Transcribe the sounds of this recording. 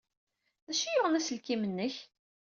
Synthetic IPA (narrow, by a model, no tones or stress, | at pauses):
ðæʃijʊʁnæsəlkimənːəç